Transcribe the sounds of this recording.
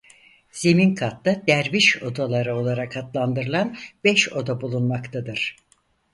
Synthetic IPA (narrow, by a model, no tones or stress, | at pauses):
z̥e̞minkʰat̪ːad̪æɾbiʃo̞d̪alˠaɾɯo̞lˠaɾakʰat̪lˠand̪ɯɾɯlˠanbɛʃo̞d̪abulˠunmakt̪ʰad̪ɯɾ̥